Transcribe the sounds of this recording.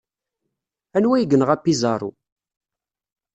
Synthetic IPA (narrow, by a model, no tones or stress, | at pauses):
ænwæjɡənʁæpːizɑɾˤṵ